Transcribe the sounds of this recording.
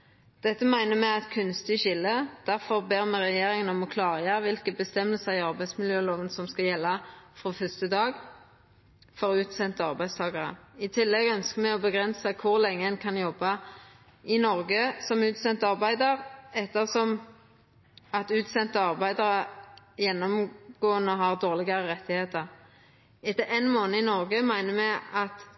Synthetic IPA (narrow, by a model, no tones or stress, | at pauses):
d̪̥ɛt̪ːəmæɪnəmɛɑt̪kʰʉnst̪ɪʃɪlːəd̪̥æʁfɔʁbeːʁmɛʁɛjeːʁɪŋənɔmɔkʰlɑːʁəjeʁʋɪlkəbəst̪ɛmːəlsəʁɪɑʁbæɪsmɪljøːloːʋənsɔmskɑjɛlːɑfʁoːfœst̪əd̪ɑːɡ | fɔʁʉːt̪sɛnt̪əɑʁbæɪst̪ʰɑːɡɑʁə̰ɪt̪ʰɪlːɛɡœnskəmɛɔbəɡʁɛnsəkʰʊʁlɛŋːəɛnkʰɑnjɔbɑ | ɪnɔʁɡəsɔmʉːt̪sɛnt̪əɑʁbæɪd̪əʁɛt̪ːəʁsɔm | ɑt̪ʉːt̪sɛnt̪əɑʁbæɪd̪ɑʁə | jɛnːɔmɡ̥oːənəɔɦɑʁd̪oːʁlɪɡɑʁəʁɛt̪ːɪheːt̪əʁ | ɛt̪ːəʔeɪnmoːnəɪnɔʁɡəmæɪnəmɛɑt̪